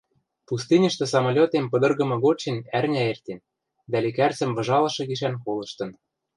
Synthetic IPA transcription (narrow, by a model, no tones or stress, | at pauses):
pust̪ɨnʲə̆ʃt̪ɤ̆sɑmolʲot̪empɤ̆d̪ɤ̆rɣɤ̆mɤ̆ɣot͡ɕenærnʲæert̪ʲen | d̪ælekært͡sɘ̆mvɤ̆ʒɑlɤ̆ʃɤ̆ɣiʃ̬ænkolɤ̆ʃt̪ɤ̆n